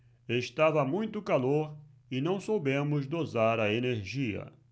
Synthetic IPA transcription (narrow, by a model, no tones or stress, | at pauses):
est̪avɐmũj̃t̪ʊkaloɾ | ɪnɐ̃w̃sowbẽmʊzd̪ozaɾɐeneɾʒiɐ̰